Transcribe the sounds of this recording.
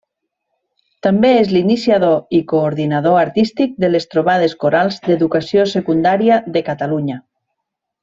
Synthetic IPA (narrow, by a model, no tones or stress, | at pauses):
t̪ambeezlinisjaðoikoːɾðinaðoaɾt̪ist̪ik̚d̪elest̪ɾoβ̞að̞eskoɾalˠzd̪eðukasjosekund̪aɾjaðekat̪aluɲa